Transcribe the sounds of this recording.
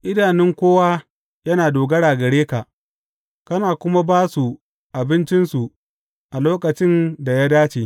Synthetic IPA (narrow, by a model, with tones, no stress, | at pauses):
ʔɪ˦daː˨nɪ˦ŋkʷoː˦waː˦ | jɐ˦naː˨doː˨ɡɐ˦ɽaː˨ɡɐ˨ɽeː˦ka˨ʔ | kɐ˦naː˨kʷʊ˦ma˦baː˦su˨ | ʔa˨bɪ˦nt͡ʃɪ˦nsu˨ | ʔa˨loː˦kɐ˨t͡ʃɪ˦nda˨ja˦daː˦t͡ʃeː˨